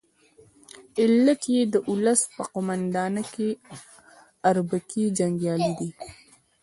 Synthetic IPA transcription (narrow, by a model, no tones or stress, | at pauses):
ɪlat̪jed̪əʔʊləspəqʊmand̪ɑnəke | aɾbakid͡ʒaŋɡjɑlid̪i